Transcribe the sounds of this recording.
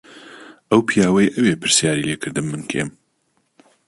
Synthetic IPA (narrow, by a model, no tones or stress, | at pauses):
ʔɐwpʰijaːwɐjʔɐwepʰɨɾsjaːɾileːkʰɨɾd̪ɨmːɨnkʰḛm